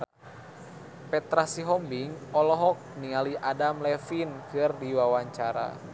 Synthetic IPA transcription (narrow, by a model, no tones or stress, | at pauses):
pɛt̪ɾasiɦɔmbiŋɔlɔɦɔk̚niŋaliʔadamlɛfinkɨrdiwawaɲt͡ʃaɾa̰